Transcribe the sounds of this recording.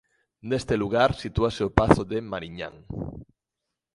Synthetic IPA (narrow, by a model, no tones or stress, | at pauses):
nest̪eluɣaɾsit̪uaseopaθoðemaɾiɲa̰ŋ